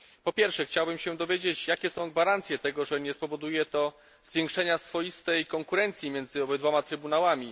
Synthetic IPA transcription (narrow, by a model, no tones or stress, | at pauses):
pɔpʲjɛɾfʂɛxt͡ɕawbɘmɕɛd̪ɔvʲjed͡ʑet͡ɕjakʲɛsɔ̃w̃ɡvaɾant̪sʲjɛt̪ɛɡɔʐɛɲɛspɔvɔd̪ujɛt̪ɔ | zvʲjɛ̃ŋkʂɛɲasfɔjist̪ɛjkɔŋkuɾɛnt̪sʲjimʲjɛnzɘɔbɛd̪vɔmat̪ɾɘbunawamʲi